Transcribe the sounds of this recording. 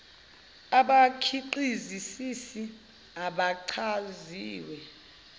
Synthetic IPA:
aɓakʰiǃizisisi | aɓaǀʰaziːwɛ

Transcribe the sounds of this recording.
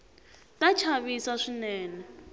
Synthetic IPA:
tʼat͡ʃʰaβisaʂinɛːnɛ

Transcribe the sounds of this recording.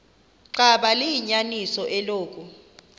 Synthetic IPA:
ǀaɓalijiɲanisɔʔɛloːk̬ʼu

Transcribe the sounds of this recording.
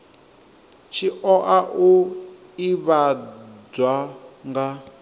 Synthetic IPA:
t͡ʃʰiʔɔʔaʔu | iβad͡zwaŋɡa

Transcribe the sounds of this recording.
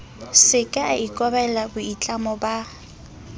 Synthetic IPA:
sɪkʼaikʼɔbɛlabʊit͡ɬʼamɔba

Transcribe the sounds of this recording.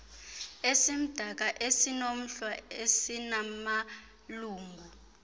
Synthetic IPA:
esim̩d̥ʱak̬aʔesinom̩ɬwaesinama | luːŋɡʱu

